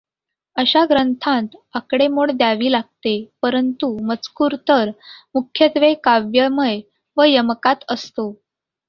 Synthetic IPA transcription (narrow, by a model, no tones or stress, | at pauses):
əɕaɡɾənt̪ʰãt̪akɽemoɽd̪jaʋiːlaɡ̚t̪epəɾənt̪umət͡skuːɾt̪əɾmukʰjət̪ʋekaʋjəməj | ʋəjəmkat̪əst̪o